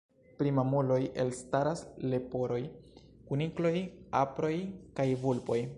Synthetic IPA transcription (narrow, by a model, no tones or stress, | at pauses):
pɾimamulo̞je̞lstaɾasle̞po̞ɾo̞j | kuniklo̞japɾo̞jkajvulpo̞j